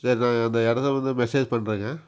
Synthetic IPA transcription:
sɐɾinãːɐːnd̪ɐɛɽɐt̪ːɐʋɐnd̪ɯmɛseːd͡ʒpɐɳːɾɯŋɡẽː

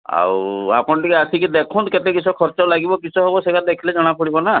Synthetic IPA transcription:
a̰wa̰pɔɳʈikɛasʰikid̪ekʰɔ̃nt̪ket̪ekit͡ʃʰɔkʰɔɾt͡ʃɔlaɡibɔkisʰɔɦebɔsekad̪ekʰiled͡ʒɔɽ̃apʰɔɽibɔna

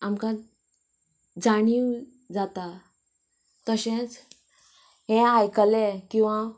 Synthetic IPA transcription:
amka | d͡zaɽ̃iw | d͡zat̪a | t̪əɕẽt͡s | ɦɛ̃ajkəlekĩw̃ʋa

